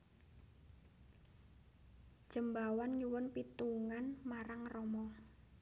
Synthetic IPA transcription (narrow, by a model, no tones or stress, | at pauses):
ʒ̥əmbawanɲuwʊnpit̪uŋanmaɾaŋrɔmɔ